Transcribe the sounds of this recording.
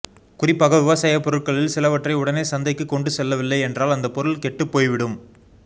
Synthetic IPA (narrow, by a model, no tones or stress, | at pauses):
kʊrɪpːaːɣɐʋɪʋɐsaːjɐpːɔɾɯʈ̚kɐɭɪlsɪlɐʋɐʈrɐɪʊɽɐneːsɐnd̪ɐɪkːɯkːɔɳɖɯsɛlːɐʋɪlːɐɪɛndraːlɐnd̪ɐpːɔɾɯlkɛʈːɯpːoːjʋɪɽɯm